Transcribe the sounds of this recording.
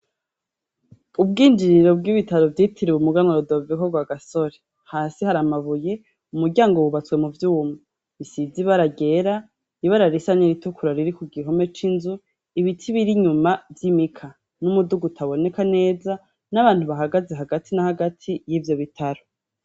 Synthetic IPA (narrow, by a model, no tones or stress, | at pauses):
ub̚ɡiːnd͡ʒiɾiɾo̞b̚ɡiβitaɾo̞vjiːtʰiɾiwumuɡanaɾodo̞vikoɡwaɡaso̞ɾe | haːsihaɾamaβuje̞ | umuɾɟaːŋɡowuβat͡swe̞muvjuːmi | βisiziβaɾaɡe̞ɾa | iβaɾaɾisaɲeɾitukuɾaɾiɾikuɡiɦo̞me̞t͡ʃinzu | iβitʰiβiɾiɲumavjimikʰa | numuduɡutʰaβo̞ne̞kane̞ːza | naβaːn̥huβaɦaɡaze̞ɦaɡatʰinahaɡatʰijivjo̞βitʰaɾo